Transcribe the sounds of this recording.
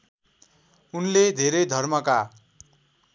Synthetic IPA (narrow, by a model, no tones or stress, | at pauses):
unled̪ʱeɾed̪ʱʌrmʌka